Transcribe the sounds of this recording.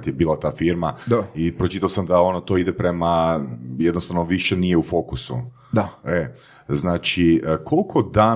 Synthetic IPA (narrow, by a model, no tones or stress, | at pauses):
t̪jebiːlˠat̪aːfiɾmad̪aipɾot͡ʃit̪aosamd̪ao̞not̪oid̪epɾe̞majed̪nost̪aʋnoʋiʃe̞nijeufo̞kusṵ | d̪ae | znaːt͡ʃiəkʰolkʰod̪aː